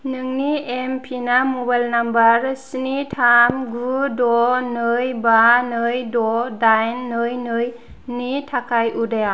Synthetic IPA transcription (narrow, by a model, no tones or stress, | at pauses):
nɯŋniempʰinamɔbajlnambaɾsinitʰamɡudɔnɯjbanɯjdɔdajnːɯjnɯj | nitʰakʰajʔudaja